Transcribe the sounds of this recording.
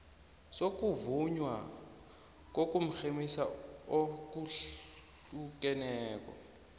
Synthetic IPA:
sok̬ʼuvuɲwa | k̬ok̬ʼum̩xemisa̰ok̬u | uk̬ɛnɛɛːk̬ʼɔ̰

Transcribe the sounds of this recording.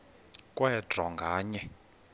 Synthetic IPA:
kʼwɛdʱɔŋɡʱaːɲɛ

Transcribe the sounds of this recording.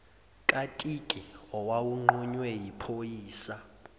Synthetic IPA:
kʼatʼikʼiɔwawuŋ͡ǃuɲwɛjipʰojiːsa

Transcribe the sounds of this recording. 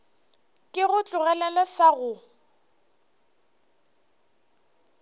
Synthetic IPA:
kʼɪɣʊt͡ɬʼʊɣɛlɛlasaɣʊ

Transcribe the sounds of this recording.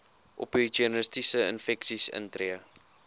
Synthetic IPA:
ʔɔ̰pitiənəstisəə̰nfɛksisə̰ntɾiə

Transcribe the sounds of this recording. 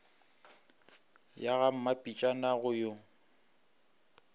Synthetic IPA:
jaɣam̩mapʼit͡ʃʼanaɣʊjo

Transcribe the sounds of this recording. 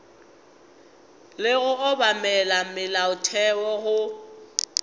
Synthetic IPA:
lɪɣʊɣʊbamɛlamɪlaʊtʰɛwɔɣʊ

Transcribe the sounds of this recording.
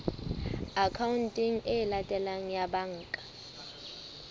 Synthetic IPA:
akʰawuntʼiŋ̩ɛlatʼɛlaŋ̩jabaŋ̩ːkʼḁ

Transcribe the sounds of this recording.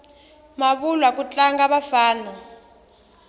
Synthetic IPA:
maβulwak̬ʼut͡ɬʼaŋɡaɓafaːnɔ

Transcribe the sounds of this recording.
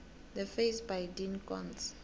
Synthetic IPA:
d̪əfesbajdinkɔ̰̃ns

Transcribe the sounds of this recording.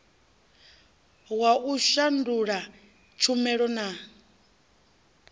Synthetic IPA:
waʔuʃanduɺa | t͡ʃʰumɛɺɔna

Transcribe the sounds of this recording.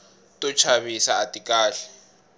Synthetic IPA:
tʼɔt͡ʃʰaβisaːtʼikʼaːɬɛ̥

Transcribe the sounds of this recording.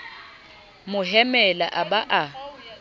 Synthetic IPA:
mʊɦɛmɛla̰ʔabaʔa

